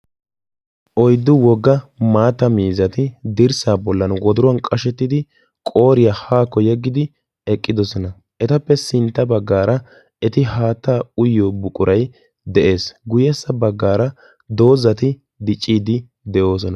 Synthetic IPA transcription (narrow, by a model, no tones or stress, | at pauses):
ʔɔjd̪ːʊwɔɡːɐmaːt̪ːɐmiːzɐt̪ɪd̪ɪɾsaːbɔlːɐnwɔd̪ʊɾʊɐnkʼɐʃɛt̪ːɪd̪ɪ | kʼo̞ːɾɪjahaːkːɔjɛɡːɪd̪ɪ | ɛkʼːɪd̪ɔsɔnɐ | ʔɛt̪ɐpːɛsɪnt̪ːɐbɐɡːaːɾɐ | ɛt̪ɪhaːt̪ːaːʊjːoːbʊkʼʊɾɐj | d̪ɛʔe̞ːsɡʊjɛsːɐbɐɡːaːɾɐ | d̪o̞ːzːɐt̪ɪ | d̪ɪt͡ʃʼːiːd̪ɪ | d̪ɛʔo̞ːsɔnɐ